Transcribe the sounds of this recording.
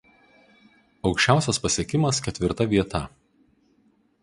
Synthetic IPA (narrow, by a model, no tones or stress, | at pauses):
ɒʊkʃʲt͡ʃʲæˑʊsʲɛspɐsʲiɛkʲɪmɐskʲɛt̪ʲʋʲɪɾt̪ɐʋʲiɛt̪ɐ